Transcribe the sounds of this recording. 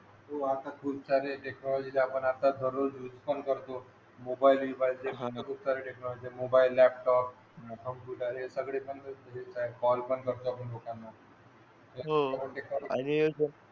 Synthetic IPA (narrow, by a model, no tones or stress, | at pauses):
ɦoat̪akʰuɾ̚t͡saɾeʈeknɔlɔd͡ʑilaːpəɳat̪ad̪ʱəɾod͡ʑjud͡zpənkəɾt̪o | mobailʋibaild͡ʑeɦank̪ub̚t͡saɾeʈeknɔlɔd͡ʑiemobailːɛp̚ʈɔp̚ | kʰəmkuʈaɾeesəɡɽepəɳəɦet͡saekɔlpəɳkəɾt̪oapəɳlokanːa | eɦoaɾaʈeknɔlanied͡ʑə